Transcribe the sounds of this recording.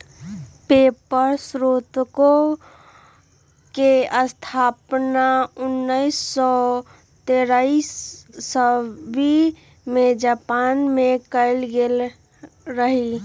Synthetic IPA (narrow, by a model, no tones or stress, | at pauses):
pepəɾsɾot̪ko | keəst̪ʰapnaʊnːəisːɔ | t̪eɾaisːəbi | med͡ʒapanmekəɪlɡel | ɾəɦi